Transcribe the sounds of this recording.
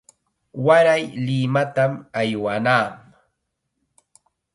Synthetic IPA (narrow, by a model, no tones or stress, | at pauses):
waɾajlɪmat̪amajwanaːm